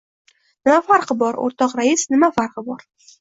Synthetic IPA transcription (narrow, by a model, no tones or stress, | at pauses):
nɪmafaɾqʰɨbɒɾo̰ɾt̪ʰɒqɾajɪsnɪmafaɾqʰɨbɒɾ